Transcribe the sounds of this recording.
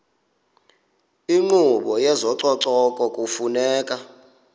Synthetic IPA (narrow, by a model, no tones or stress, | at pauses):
iŋ͡ǃuɓɔjɛzɔǀɔǀɔkʼɔkʼufunɛːkʼa